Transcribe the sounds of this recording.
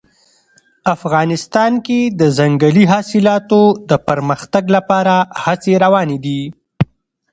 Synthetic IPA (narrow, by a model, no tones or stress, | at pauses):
afɣɑnɪst̪ɑnked̪əzaŋɡəliɦɑsɪlɑt̪od̪əpəɾməxt̪aɡlapɑɾahat͡seɾawɑned̪i